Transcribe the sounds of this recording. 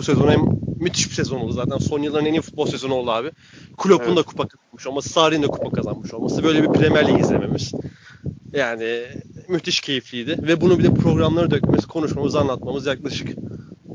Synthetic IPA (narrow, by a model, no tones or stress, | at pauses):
buse̞zo̞nɛnmːyt̪ʰi̥ʃbi̥sezo̞nouzaːt̪ʰænso̞njɯlˠːaɾɯne̞ninfut̪̚bolˠse̞zo̞nuo̞lˠaːβi | kʰulʲopund̪akʰu̥pʰakʰazanmɯʃo̞lˠmasɯ̥sʰaːɾijind̪ɛkʰu̥pakʰazanmɯʃo̞lˠmasɯbø̞jlʲebipɾemæɾlʲiizlʲeme̞miz̥ | jaːnɪmyt̪ʰiʃcʰe̞jiflʲiːd̪ɪvɛbunubilʲɛpʰɾo̞ɡɾamlˠaɾɯd̪øcmemskʰo̞nuʃmamɯzanlˠat̪̚mamɯzjak̚lˠaʃɯ̥k